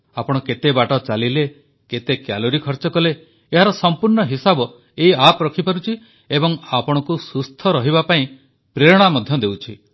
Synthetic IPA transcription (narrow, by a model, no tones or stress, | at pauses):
apɔɽ̃ɔket̪ebaʈɔt͡ʃalile | ket̪ekjaloɾikʰɔɾt͡ʃɔkɔle | eɦaɾɔsɔmpuɾɳɔɦisabɔ | eiapɔɾɔkʰipaɾut͡ʃʰi | ebɔŋapɔɽ̃ɔkusust̪ʰɔɾɔɦibapaĩ | pɾeɾɔɽ̃amɔd̪ʱjɔd̪ewt͡ʃʰi